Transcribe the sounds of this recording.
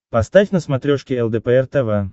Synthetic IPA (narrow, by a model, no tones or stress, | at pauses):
pɐst̪afʲnɐsmɐt̪ɾʲoʂkʲɪɛlˠd̪ɛpəɛrt̪ɐva